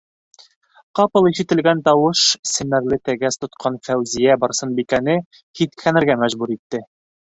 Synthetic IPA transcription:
qɑpɤ̆lˠiʃɘ̆t̪ɘ̆lɡænt̪ɒwɤʃsɘ̆mæɾlɘt̪æɡæst̪ŏt̪qʰɑnfæwzijæbɒɾsɤnbikænɘ | hit̪kʰænɘ̆ɾɡæmæʒbuɾit̪ːɘ

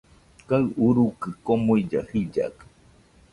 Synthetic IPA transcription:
kaɨʔuɾukɨkomoid͡ʒahid͡ʒa̰kɨ̥

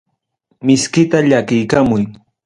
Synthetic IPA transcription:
mɪskɪt̪aʎakɪjkamʊj

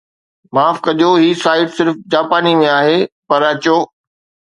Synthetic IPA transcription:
maːfkɐʄoɦiːsaːɪʈsɪɾfd͡ʑaːpaːnimẽaːɦepɐɾɐt͡ɕoː

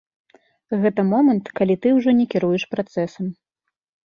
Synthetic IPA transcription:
ɣɛt̪ɐmɔmɐnt̪kalʲit̪ɨwʐɔnʲɛkʲiɾujɛʂpɾat̪sɛsɐm

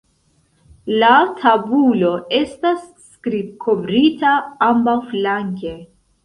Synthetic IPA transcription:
latʰabulo̞e̞stasːkɾib̚kʰo̞vɾitaambawflaŋke̞

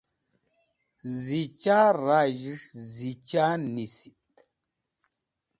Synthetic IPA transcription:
zit͡ʃaɾaʒiʂzit͡ʃanisi̥t̪̚

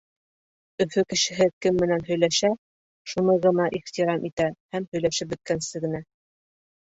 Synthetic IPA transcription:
ɵ̆fɵkɘ̆ʃɘ̆ɦɘkɘmːɘ̆nænɦɵ̆jlæʃæ | ʃunɤjʁɤ̆nɑʔiχt̪iɾɑmʔit̪æhæmhɵ̆jlæʃɘp̚bɵ̆t̪̚kænsɘɡɘ̆næ

